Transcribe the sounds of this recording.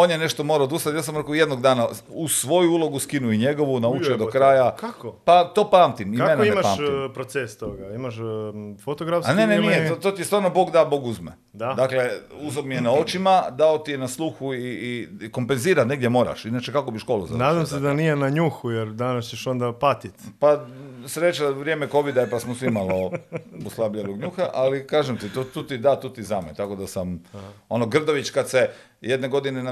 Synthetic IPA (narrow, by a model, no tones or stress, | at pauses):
onjene̞ʃt̪o̞moɾaod̪ust̪at̪jasamɾekoje̞d̪no̞ɡd̪aːnausʋo̞juulˠo̞ɡuskinuiɲe̞ɡo̞ʋunaut͡ʃed̪okɾaːjakakopat̪o̞paːmt̪imienaiemapa̰ːmpɾot̪sest̪oɡaimaʃfot̪oɡɾafsne̞nenijet̪ot̪ot̪iest̪ʋaːɾnobo̞ːɡd̪abo̞ɡuzmḛ | d̪aakle̞uzobmijenao̞t͡ʃimad̪aot̪ijenaslˠuxuiiko̞mpenziːɾat̪ne̞ɡd̪ʲjemo̞ːɾa̰ʃinat͡ʃekako̞biʃko̞luza̰naːd̪amsed̪anijenaɲuxujeɾd̪anast͡ɕeʃond̪apat̪it̪pasɾet͡ʃaʋɾjeːmeko̞ʋid̪aepasmosʋimalouslˠabʎeʋoɡɲuxaʔalikaːʒemt̪it̪ot̪uːt̪id̪at̪uːt̪izamet̪ako̞d̪asamo̞noɡr̩d̪oʋit͡ʃkad̪se | jed̪ne̞ɡo̞d̪inen